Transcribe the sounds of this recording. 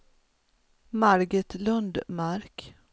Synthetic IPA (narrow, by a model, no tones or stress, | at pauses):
maɾɡət̪lɵnd̪maɾk